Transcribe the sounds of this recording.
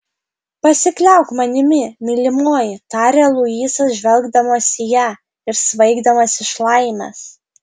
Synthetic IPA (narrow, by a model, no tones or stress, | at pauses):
pɐsʲɪklʲɛˑʊkmɐnʲɪmʲɪmʲɪlʲɪmuːjɪt̪ɑːɾʲɛlˠuiːsɐsʒʲʋʲɛlˠɡd̪ɐmoːsɪjæː | ɪɾsʋɐɪɡd̪ɐmɐsɪʃlˠɐɪmʲɛ̰s